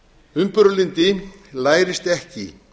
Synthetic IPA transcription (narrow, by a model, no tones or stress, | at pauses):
ʏmpʏɾʏlint̪ɪlaːjɾɪst̪ɛhcɪ